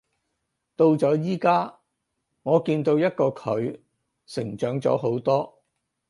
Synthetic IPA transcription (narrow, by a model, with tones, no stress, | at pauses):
t̪o˧wt͡sɔː˨˥jiː˥kaː˥ | ŋɔː˨˧kiː˧nt̪o˧wjɐ˥t̚kɔː˧kʰɵ˨˧ɥ | sɪ˨˩ŋt͡ʃœː˨˥ŋt͡sɔ̰ː˨˥ɦo˨˥wt̪ɔː˥